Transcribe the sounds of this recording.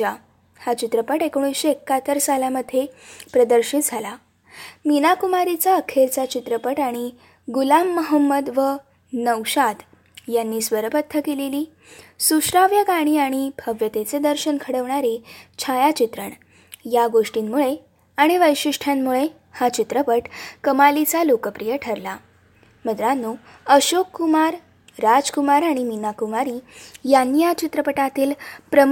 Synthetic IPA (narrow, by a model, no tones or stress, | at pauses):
a | hat͡ɕit̪ɾəpəʈekɳ̃uɕeekːat̪əɾsalaməd̪ʱːjepɾəd̪əɾɕit̪̚d͡zʱala | minakumaɾit͡saəkʰelt͡sat͡ɕit̪ɾəpəʈaɽ̃i | ɡulamːəɦəmːəd̪ʋə | nəwɕat̪ | janːiːsʋəɾəpət̪ʰːəkeleliː | suɕɾaʋjəɡaɽ̃iːaɽ̃ibʱəʋjət̪et͡sed̪əɾɕənkʰəɽəʋɳaɾit͡ɕʰajat͡ɕit̪ɾəɳ | jaɡoʂʈiːnmuɭe | aɽ̃iʋəjɕiʂʈʰjamːuɭe | hat͡ɕit̪ɾəpəʈkəmalit͡salokəpɾijəʈʰəɾla | məd̪ɾanːu | əɕokːumaɾː | ad͡zkumaɾãiminakumaɾiːjanːijat͡ɕit̪ɾəpəʈat̪iːlpɾə